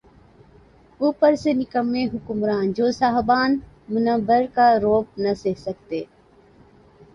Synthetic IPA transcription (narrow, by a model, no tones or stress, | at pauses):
uːpəɾseːnɪkəmːẽɦʊkʊmɾaːnd͡ʒoːsaːɦbaːn | mʊnəbəɾkaːɾoːp̚nəseɦsəkt̪eː